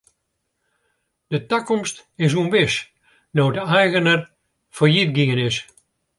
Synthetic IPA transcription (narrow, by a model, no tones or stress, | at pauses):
d̥ətakɔmstɪs̬uənbɪs | nowdəɛjɣənər | fɔjit̚ɡiənɪs